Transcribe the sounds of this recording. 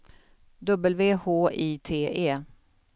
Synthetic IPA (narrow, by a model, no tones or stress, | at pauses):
d̪ɵbəlveːhoːʔiːt̪ʰeːʔeː